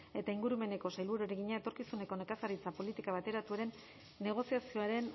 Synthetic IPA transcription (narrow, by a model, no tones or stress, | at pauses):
e̞t̪aiŋɡuɾume̞ne̞ko̞sajlβuɾueɾeɣiɲae̞t̪o̞ɾkisune̞ko̞ne̞kasarit͡sapo̞lit̪ikaβ̞at̪e̞ɾat̪ueɾe̞nː | e̞ɣ̞o̞siasio̞aɾe̞n